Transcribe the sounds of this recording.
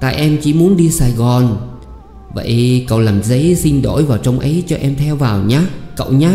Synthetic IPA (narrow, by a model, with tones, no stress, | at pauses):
t̪a̰ː˧˨jʔɛ˧mt͡ɕi˧˩mu˨˦nɗi˧saː˧˩jɣɔ˨˩n | və̰˧˨jkə̰˧˩˨wlaː˨˩mzə˨˦jsï˧ŋ̟ɗo̰˧˩jvaː˨˩wt͡ɕə˧wŋ͡mʔə˨˦jt͡ɕɔ˧ʔɛ˧mt̪ʰɛ˧wvaː˨˩wɲaː˨˦kə̰˧˨wɲaː˨˦